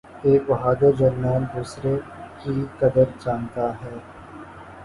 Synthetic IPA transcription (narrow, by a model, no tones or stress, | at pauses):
eːkʋɐɦaːd̪od͡ʒɐɾmaːnd̪uːsɾekikɐd̪əɾd͡ʒaːnt̪aɦɛː